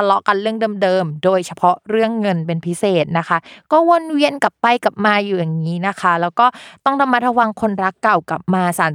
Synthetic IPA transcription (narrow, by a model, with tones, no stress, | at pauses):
a˧lɔ˦˥ʔka˧nɾɯ˥˩əŋdɤː˧mdɤː˧mdoː˧jt͡ɕʰa˧pʰɔ˦˥ɾɯ˥˩əŋːɤ˧npe˧npʰi˦˥seː˨˩t̪̚na˦˥kʰa˦˥kɔː˥˩wo˧nwi˧ənka˨˩pːa˧jka˨˩p̚maː˧juː˨˩ja˨˩ŋːiː˦˥na˦˥kʰa˦˥lɛː˦˥wkɔː˥˩t̪ɔ˥˩ŋɾa˧mːa˦˥t̪̚ɾa˧wa˧ŋkʰo˧nɾa˦˥kːa˨˩wka˨˩p̚maː˧saː˨˩˦n